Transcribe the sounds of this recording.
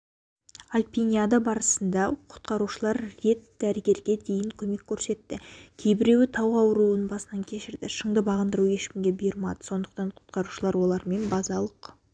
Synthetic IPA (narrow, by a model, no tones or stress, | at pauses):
alʲpʲinʲijad̪abɑɾəsənd̪ɑqʰʊ̥t̪̚qɑɾuʃəlˠɑɾːe̞t̪d̪̥æɾɪɡʲe̞ɾɡʲe̞d̪e̞jɪŋkʲʰɵme̞kʲʰːɵɾse̞t̪ːɪkʲʰe̞jbɪɾe̞wɪt̪ʰɑwɑwɾuənbɑsənɑŋkʲʰe̞ʃɪɾd̪ɪʃəɴd̪əbɑʁənd̪əɾuwje̞ʃkʲɪmɡʲe̞bəjəɾmɑd̪ə̥so̞nd̪əq̚t̪ɑɴqʰʊ̥t̪qɑɾuʃəlˠɑɾwo̞lˠɑɾme̞nbɑzɑlˠəq